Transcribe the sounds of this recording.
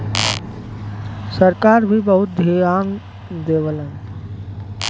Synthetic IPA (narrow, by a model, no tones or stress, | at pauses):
səɾkaːɾbʱibəɦʊt̪̚d̪ʱiaːn | d̪eːʋəlɦɛ̃ː